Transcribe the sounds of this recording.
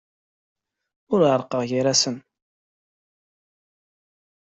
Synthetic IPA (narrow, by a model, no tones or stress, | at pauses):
ʊɾəɾˤqəʁʝiɾæsən